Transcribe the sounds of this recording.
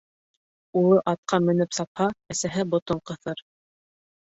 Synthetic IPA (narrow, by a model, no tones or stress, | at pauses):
ulˠɤʔɑt̪̚qʰɑmɵ̆nɘpsɑphɑæsæɦɘbŏt̪oɴqɤ̆θɤɾ